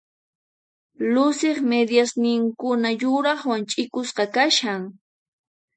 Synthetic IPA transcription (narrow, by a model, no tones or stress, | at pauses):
lʊsɪχmed̪jasnɪŋkʊnajʊɾɑχwant͡ʃʼɪkʊsqɑkaʃaŋ